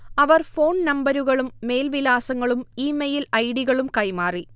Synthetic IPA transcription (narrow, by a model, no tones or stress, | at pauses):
ɐʋɐrfo̞ːnnɐmbɐɾuɣɐɭumːe̞ːlʋilaːsɐŋːɐɭumiːmejilɐjɽiɣɐɭumkɐjmaːri